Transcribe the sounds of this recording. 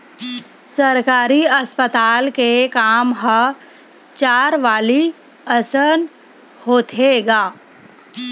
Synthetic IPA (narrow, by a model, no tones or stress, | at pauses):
səɾkaːɾiəspət̪aːlkekaːmɦə | t͡ʃaːɾʋaːli | əsən | hoːt̪ʰeːɡaː